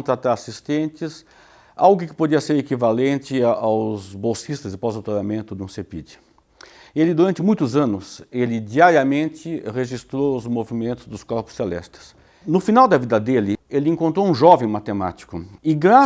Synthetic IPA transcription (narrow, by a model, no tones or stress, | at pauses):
nt̪ɾat̪aɾasist̪ẽnt͡ʃɪs | a̰wɡʊkɪ̥pod͡ʒiɐseɾekivalẽnt͡ʃɪawzbowsist̪ɐzɪpozowt̪oɾamẽnt̪ʊd̪ɪũsepḭd͡ʒɪ | elɪd̪uɾɐ̃nt͡ʃ̪ɪmũj̃t̪ʊzɐ̃nʊselɪd͡ʒiaɾiɐmẽnt͡ʃɪʁeʒist̪ɾowʊzmovimẽnt̪ʊzd̪ʊskɔɾpʊ̥selɛ̰st̪ɪ̥s | nʊfinawd̪ɐvid̪ɐd̪elɪelɪẽŋkõnt̪ɾoũʒɔvẽj̃mat̪ema̰t͡ʃi̥kʊɪɡɾa